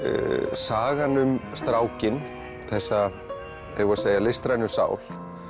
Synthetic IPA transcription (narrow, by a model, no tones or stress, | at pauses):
saːɣanʏmst̪ɾaːwcɪn | θɛsːa | ɛjɣʏaseːjalɪst̪ɾajnʏsa̰ːwl̥